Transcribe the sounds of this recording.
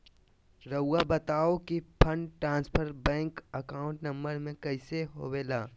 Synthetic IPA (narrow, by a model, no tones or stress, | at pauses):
ɾəʊːabɐt̪aːokipʰəɳʈɾãːnspʰəɾbɛ̃ːŋkəkaːʊ̃ɳʈnɐ̃mbəɾmẽkɐɪseɦoːʋeːlaː